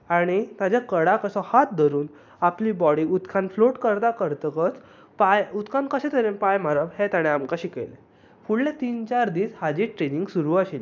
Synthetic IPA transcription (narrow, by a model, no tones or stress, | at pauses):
aɽ̃it̪ad͡ʑjakəɽakəsɔhat̪̚d̪ʱəɾuːn | apliːbɔɽiut̪kʰanfloʈkəɾt̪akəɾt̪əkət͡s | pajut̪kʰankəɕẽt̪ʰəɾenpajm̤aɾaʋhet̪aɽ̃eamkaɕikelḛ | fuɽlẽt̪iːnt͡ɕaɾd̪iːshad͡ʑiʈɾeniŋɡsuɾuːaɕil